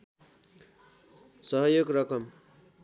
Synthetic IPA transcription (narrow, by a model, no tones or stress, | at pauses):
sʌɦʌjoɡɾʌkʌm